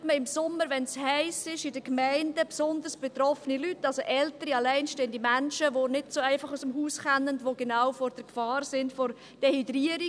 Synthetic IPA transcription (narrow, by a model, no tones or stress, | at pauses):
tməɪmsʊmːəɾʋɛnshɛɪsɪʃɪdəkmæɪndəpsʊnd̪əɾsb̥etɾɔfənilytːɑlsoʔɛltəɾiɑlɛɪnʃteːənd̥imænʃəʋonɪdsoæɪfɑχusəmhuːsχanːəndʋoɡenawfɔɾd̥əɾkfɑːɾsɪndfɔɾ | d̥ɛhydɾiəɾi